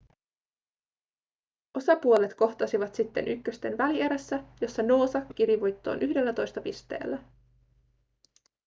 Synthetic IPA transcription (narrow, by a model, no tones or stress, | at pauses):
o̞sɑpuo̞le̞t̪ko̞ht̪ɑsiʋɑt̪sit̪ːe̞nʔykːøst̪e̞nʋælie̞ɾesːæjo̞sːɑno̞ːsɑkːiɾiʋujt̪ːo̞̰ːnʔyɦde̞lːæt̪o̞jst̪ɑpist̪e̞̰ːlːæ